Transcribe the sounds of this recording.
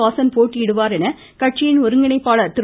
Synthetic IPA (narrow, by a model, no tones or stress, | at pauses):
aːsɐnpoːʈːiɪɽɯʋaːɾɛnɐ | kɐʈ̚t͡ʃːɪjɪnɔɾɯŋɡɪɳɐɪpːaːɭɐt̪ɪɾ